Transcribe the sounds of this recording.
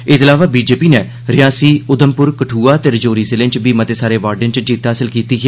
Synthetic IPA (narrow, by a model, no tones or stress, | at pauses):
ɪt̪əlaːʋaːbiːd͡ʒeːpiːneː | ɾɪjaːsiːʊd̪əmpʊɾkəʈʰuːaːt̪eːɾəd͡ʒoːɾiːsɪlɪ̃nt͡ʃbiːmət̪eːsaːɾeːʋaːɾɖɪ̃nt͡ʃd͡ʒiːt̪ːaːsəlkiːt̪iːkɛː